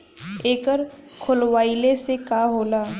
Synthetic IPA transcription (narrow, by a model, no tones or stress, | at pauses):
eːkəɾkʰʊlwaːilesekaːɦoːlaː